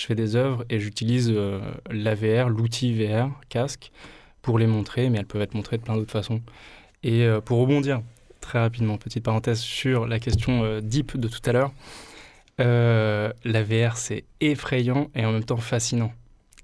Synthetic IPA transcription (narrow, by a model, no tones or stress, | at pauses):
ʒə̥fɛd̪ezœvʁeʒyt̪ilizølaveɛʁlut̪ʰiveɛʁkʲask | puʁlemɔ̃t̪χemɛɛlpœvɛt̪χmɔ̃t̪χed̪əplɛ̃d̪ot̪χəfasɔ̃ | eøpuʁːəbɔ̃d̪iʁt̪χɛʁap̬id̪mɑ̃pət̪i̥t̪̚paʁɑ̃t̪ɛzsyʁlak̬ʲɛst̪jɔ̃ød̪ipd̪ət̪u̥t̪alœːʁ | ø | laveɛʁsɛefχejɑ̃eɑ̃mɛmt̪ɑ̃fasinɑ̃